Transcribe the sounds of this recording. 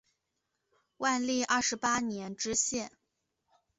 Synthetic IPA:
wa˥˧nli˥˧ʔɐ˥˩ʂɻ̩˧˥pa˥njɛ˧˥nʈ͡ʂɻ̩˥ɕjɛ˥˩n

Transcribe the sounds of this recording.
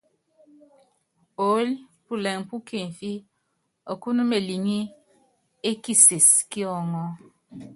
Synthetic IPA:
o˨˦l | pu˦le˨ŋ˨pu˦ke˨ɱ˨fi˦ | ɔ˨ku˦nu˦me˨li˨ŋi˦ | e˦ki˨se˨ski˦ɔ˦˨ŋɔ˦

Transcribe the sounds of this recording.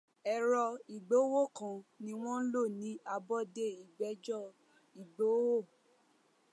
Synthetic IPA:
ɛ˨ɾɔ˧i˨ɡ͡bo˨˦wo˦˨kã˨nĩ˧˦w̃ɔ̃˦n̩˦lo˦˨nĩ˨˦a˧bɔ˦de˦i˨ɡ͡bɛ˨˦d͡ʒɔ˦˨ | i˨ɡ͡bo˨˦wo˦˨

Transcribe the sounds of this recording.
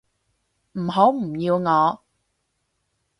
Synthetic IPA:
m̩˨˩ɦo˨˥wm̩˨˩jiː˧wŋɔː˨˧˦

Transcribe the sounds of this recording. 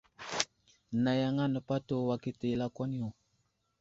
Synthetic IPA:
na˨ja˨ŋa˦nə˨pa˦to˦˨wa˨ki˦te˨la˦kʷa˦ni˦o˨

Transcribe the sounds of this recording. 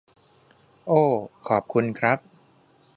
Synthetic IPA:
ʔoː˧˩kʰɔː˨˩p̚kʰu˧nkʰɾa˦˥p̚

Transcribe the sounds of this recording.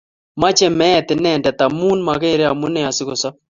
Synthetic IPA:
ma˦t͡ʃɛ˦mɛ˦ɛ˨t̪ɪ˨nɛ˦˨ndɛ˨t̪a˨mu˦nma˨ke˦˨ɾe˦a˨mʊ˦nɛ˦˨a˨sɪ˦kɔ˨sa˦

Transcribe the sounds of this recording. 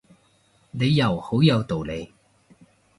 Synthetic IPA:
ne˨˧jːɐ˨˩who˨˥wjɐ˨˧wt̪o˨˩wle˨˧j

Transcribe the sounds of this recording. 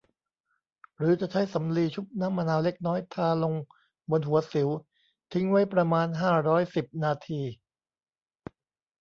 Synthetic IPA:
ɾɯː˩˦t͡ɕa˨˩t͡ɕʰa˦˥jsa˩˦mliː˧t͡ɕʰu˦˥˩p̚na˦˥˨ma˧naː˧wle˦˥k̚nɔː˦˥jt̪ʰaː˧lo˧ŋ | bo˧nɦu˩˦ɐsi˩˦w | t̪ʰi˦˥ŋwa˦˥jpɾa˧maː˧nɦaː˥˩ɾɔː˦˥jsi˨˩p̚naː˧t̪ʰiː˧

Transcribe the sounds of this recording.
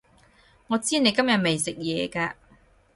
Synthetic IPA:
ŋɔː˨˧t͡siː˥ne˨˧jkɐ˥mjɐ˨t̚me˨jsɪ˨k̚jɛː˨˧kaː˧

